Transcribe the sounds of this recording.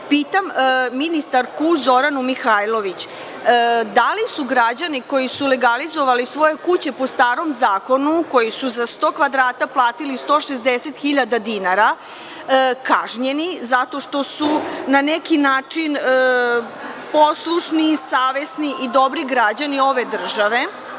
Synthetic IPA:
piːt̪amminist̪aɾkuzo̞ɾanumixajlˠo̞ʋit͡ɕː | d̪alisuɡɾad͡ʑaniko̞jisuleɡalizo̞ʋalisʋo̞je̞kut͡ɕe̞po̞st̪aːɾo̞mzaːko̞nuko̞jisuzast̪o̞kʋad̪ɾaːt̪aplˠaːt̪ilist̪o̞ːʃezd̪eset̪xiʎad̪ad̪inaɾa | kaʒɲe̞nizat̪o̞ʃt̪osunanekinaːt͡ʂinə | po̞slˠuʃnisaːʋe̞sniʔid̪o̞bɾiɡɾad͡ʑanio̞ʋe̞d̪r̩ʒaʋe̞

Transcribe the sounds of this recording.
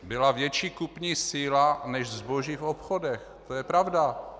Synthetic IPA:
bɪlavjɛt͡ʃiːkupɲiːsiːlanɛʃzbo̞ʒiːfopxodɛx | t̪ojɛpɾavda

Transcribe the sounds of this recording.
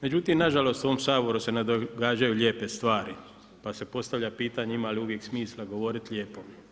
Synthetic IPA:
me̞d͡ʒut̪imnaʒalo̞st̪uoomsaːbo̞ɾuse̞ned̪oɡaːd͡ʒajuʎe̞ːpe̞st̪ʋaːɾi | pase̞po̞st̪aʋʎʲapiːt̪aɲeimaːliuʋje̞ksmiːslaɡo̞ʋo̞ɾit̪ʎʲeːpo̞

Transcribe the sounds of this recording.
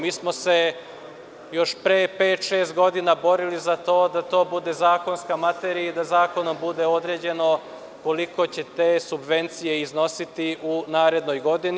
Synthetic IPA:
miːsmo̞se̞ | jo̞ʃpɾepeːt̪ʃe̞ːst̪ɡo̞d̪inabo̞ɾilizat̪o̞ːd̪at̪o̞ːbud̪e̞zaːko̞nskamat̪eɾiid̪azaːko̞no̞mbud̪e̞o̞d̪ɾe̞ːd͡ʑe̞no̞ | ko̞liko̞t͡ɕe̞t̪e̞ːsubʋe̞nt̪sijeizno̞sit̪iunaːɾe̞d̪no̞jɡo̞d̪in

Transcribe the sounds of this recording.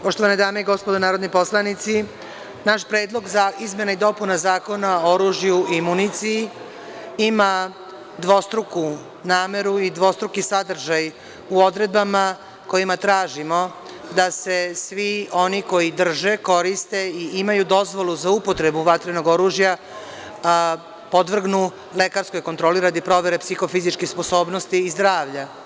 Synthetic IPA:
po̞ʃt̪o̞ʋaned̪aːmeiɡo̞spod̪onaːɾo̞d̪nipo̞slˠanit̪si | naʃpɾe̞ːd̪lˠo̞ɡzaizme̞naid̪o̞punazaːko̞naoɾuːʒjuimunit̪siji | ima | d̪ʋo̞st̪ɾuku | naːme̞ɾuid̪ʋo̞st̪ɾukisad̪r̩ʒaj | uo̞d̪ɾe̞d̪bama | ko̞jimat̪ɾaːʒimo̞ | d̪ase̞sʋio̞niko̞jid̪r̩ʒe̞ko̞ɾist̪e̞iʔimajud̪o̞zʋo̞luzaupo̞t̪ɾe̞buʋat̪ɾeno̞ɡo̞ɾuːʒja | po̞d̪ʋr̩ɡnu | le̞kaɾsko̞jkot̪ɾo̞ːliɾad̪ipɾo̞ʋe̞ɾe̞psixo̞fizit͡ʃkixspo̞so̞ːbnost̪iːzd̪ɾaːʋʎa

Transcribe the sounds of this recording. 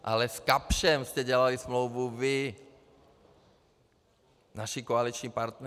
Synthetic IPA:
ʔa̰lɛskapʃɛmst̪ɛɟɛlalismlowvuvɪ | naʃikoalit͡ʃɲipaɾt̪nɛ

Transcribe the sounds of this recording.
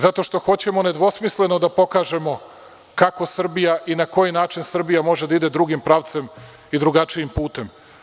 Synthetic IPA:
zat̪o̞ʃt̪o̞xo̞t͡ɕe̞mo̞ne̞d̪ʋo̞smisle̞no̞d̪apo̞kaːʒe̞mo̞ | kako̞sr̩bijaʔinako̞jinaːt͡ʃinsr̩bijamo̞ʒed̪aid̪ed̪ɾuɡimpɾaːʋt̪se̞m | id̪ɾuɡat͡ʂijimpuːt̪e̞m

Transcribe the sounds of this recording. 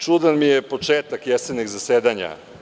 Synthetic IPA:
t͡ʃud̪anmijepo̞t͡ʃeːt̪akjɛsed̪niɡzaseːd̪aɲa̰

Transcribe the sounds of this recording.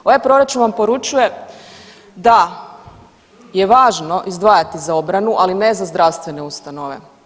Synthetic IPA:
oʋajpɾo̞ɾat͡ʃunʋampo̞ɾut͡ʃuje̞ | d̪a | jeʋaːʒno̞ʔizd̪ʋaːjat̪izao̞bɾanuʔalinezazd̪ɾaʋst̪ʋe̞neust̪anoʋe̞̰

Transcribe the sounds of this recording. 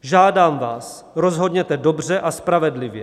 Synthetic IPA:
ʒaːdaːmvaːs | ɾo̞zɦo̞dɲɛt̪ɛdo̞br̝ɛʔaspɾavɛdlɪvjɛ

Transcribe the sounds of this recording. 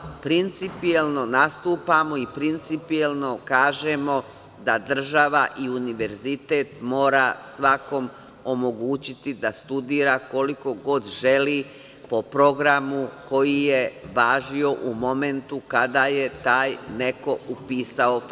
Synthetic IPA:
pɾint̪sipielˠno̞nast̪uːpamo̞ipɾint̪sipielno̞kaːʒemo̞ | d̪ad̪r̩ʒaʋa̰ʔiuniʋe̞ɾzit̪e̞ːt̪mo̞ːɾasʋako̞m | o̞mo̞ɡuːt͡ɕit̪id̪ast̪ud̪iːɾako̞liko̞ɡo̞d̪ʒeliː | po̞pɾo̞ɡɾamuko̞jije̞ʋaːʒio̞ʔumo̞me̞nt̪ukad̪aje̞t̪aːjne̞ko̞upiːsao

